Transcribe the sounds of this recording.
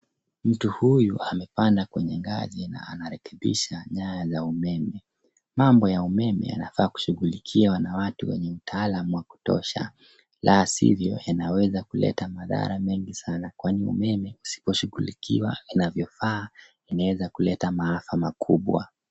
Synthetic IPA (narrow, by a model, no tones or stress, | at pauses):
m̩tuhujuamɛpandakwɛɲɛŋɡa̰zina̰anaɾɛkɛɓḭʃaɲajazaumɛmɛ | mambɔjaumɛmɛ̰ja̰nafaːku̥ʃuɣulikʰiwanawatuwɛ̰ɲɛm̩tʰaːlamuwaku̥tɔ̰ʃa̰ | lʔaasḭvjɔ̰janawɛzakulɛ̰tamaða̰ɾamɛŋɡisanakwaniṵmɛmɛusi̥pɔʃuɣulikʰiwainavjɔfaː | inawɛzakulɛtamaafamakʰuɓwa̰